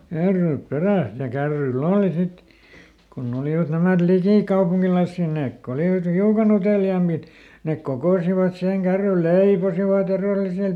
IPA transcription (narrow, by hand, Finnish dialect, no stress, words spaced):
kærːyːp peræˑs jɑ kærːyil oːli sit konː oliʋɑt næmæt likiˑkɑupuŋkilɑĭsːiˑ neːk ko oliʋɑt hiukɑn uteliɑːmːit nek kokoˑsiʋɑt siheŋ kærːyl leiposiʋɑt ereˑlˑisel